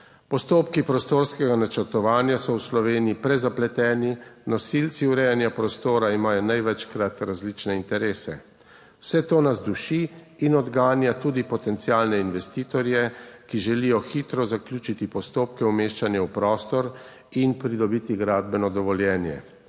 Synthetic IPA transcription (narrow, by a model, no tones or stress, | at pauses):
pɔst̪oːpkipɾɔst̪oːɾskɛɡanat͡ʃɛɾt̪ɔʋaːnjasɔwslɔʋeːniipɾɛzaplɛt̪ɛːninɔsilt̪siuɾɛjanjapɾɔst̪oːɾaimaːjɔnajʋɛt͡ʃkɾat̪ɾazlit͡ʃnɛint̪ɛɾeːsɛ | wsɛt̪oːnazd̪uʃiː | nɔd̪ɡaːnjat̪uːd̪ipɔt̪ɛnt̪siaːlnɛinʋɛst̪iːt̪ɔɾjɛkiʒɛlijɔxit̪ɾɔzaklʲjuːt͡ʃit̪ipɔst̪oːpkɛumeːʃt͡ʃanjɛwpɾɔːst̪ɔɾ | inpɾid̪ɔbit̪iɡɾaːd̪bɛnɔd̪ɔʋɔljɛːnjɛ̰